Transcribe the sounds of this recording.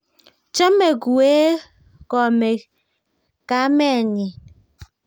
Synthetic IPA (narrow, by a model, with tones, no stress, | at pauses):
t͡ʃe˦me˨ɡu˨e˦ | kɔ˨me˨ | ka˨˦me˦˨ni˨